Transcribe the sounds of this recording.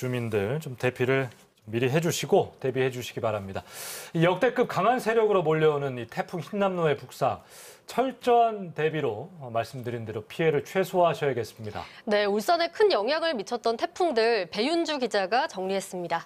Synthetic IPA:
t͡ɕumindɯɭt͡ɕomte̞pʰiɾɯɭ | mːiɾiɦe̞d͡ʑuɕʰiɡote̞bihe̞d͡ʑuɕʰiɡibaɾamɲidaijʌk̚t͈e̞k͈ɯp̚kaŋɦansʰe̞ɾjʌɡɯɾomoʎːʌunɯnitʰe̞pʰuŋçinːamnoe̞puk̚s͈aŋ | t͡ɕʰʌɭt͡ɕ͈ʌante̞biɾomaɭs͈ɯmdɯɾindɯɾopʰie̞ɾɯɭt͡ɕʰwe̞sʰoɦaɕʰʌjeɡe̞s͈ɯmɲida̰ne̞uɭs͈ʌne̞kʰɯnjʌŋɦjaŋɯɭmit͡ɕʰʌt̚t͈ʌntʰe̞pʰuŋdɯɭpe̞jund͡ʑuɡid͡ʑaɡat͡ɕʌŋɲiɦe̞s͈ɯmɲida

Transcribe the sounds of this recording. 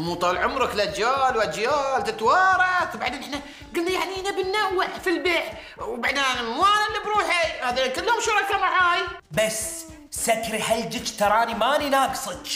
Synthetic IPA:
muːt̪ˤɑlʕʊmɾˤɑklʔad͡ʒaːlwʔad͡ʒjaːlt̪ɪt̪wɑːɾˤɑt̪baʕd̪eːnɪħna | ɡʊlːajaʕniʔanabɪnːawːɪʕfilbeːħ | wbaʕd̪aːnɪmwaːnɪlːibɾuːħihaːðankalːhʊmʃʊɾˤɑkamaʕaːjbas | sakɾihald͡ʒɪt͡ʃːt̪ɑɾˤɑːnimaːninaːɡsˤɨd̪

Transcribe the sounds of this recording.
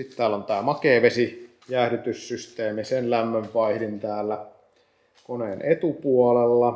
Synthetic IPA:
sit̪t̪æːlːont̪æːmɑkeːʋesi | jæhɾyt̪yssyst̪eːmisenlæmːøʋʋɑihdint̪æːlːæ | konenʔet̪upuolelːɑ

